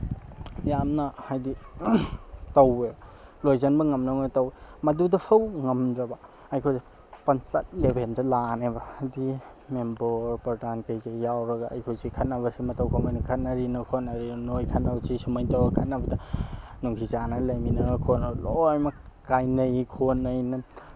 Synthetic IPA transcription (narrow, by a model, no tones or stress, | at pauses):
jamnɐhajdi | tɐwelojzɐnbɐŋɐmnawnɐtɐwemɐdudɐpʰɐwŋɐmdɾɐbɐ | ɐjkʰojzi | pɐnt͡ʃɐt̚lebʱendɐlanebɐdi | membɔɾpaɾtankɐjɡɐjawɾɐɡaɐ̰jkʰozikʰɐt̚nɐβɐsimɐtɐwkʰomajnukʰɐt̚nɐɾinokʰotnɐɾinojkʰɐt̚nawzisumɐjtɐwɐkʰɐt̚nɐbɐdɐnuŋsʰizanɐlɐjminɐkʰonalojmɐkajnɐjkʰonːɐjnɐ